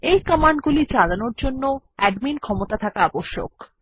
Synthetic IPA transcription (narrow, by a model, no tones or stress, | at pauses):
ejkəmaɳɖ̚ɡulid͡ʑalanoɾd͡ʑonːo | ɛɖminkʰɔmot̪at̪ʰakaaboʃːo̰k